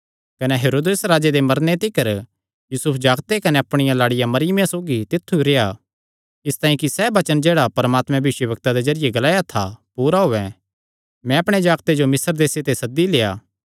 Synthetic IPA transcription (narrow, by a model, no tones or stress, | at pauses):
kɐnɛɦeːɾoːd̪eːsɾaːd͡ʒed̪emɐɾnet̪ɪkəɾ | juːsʊpʰd͡ʒaːɡt̪ekɐneɐpɽ̃ɪjãlaːɽɪjamɐɾɪjəmjãsoːɡit̪ɪt̪ʰːuɾeja | ɪst̪aːĩkisɛbɐt͡ʃənd͡ʒeːɽapɐɾmaːt̪mɛ̃bɪʃwəbɐk̚t̪ad̪ezɐɾɪjeɡɐlaːjat̪ʰa̰puːɾaɦoːɛ̃ | mɛ̃ɐpɽ̃ed͡ʒaːɡt̪ed͡ʒomɪsəɾd̪eːset̪esɐd̪ːileːaː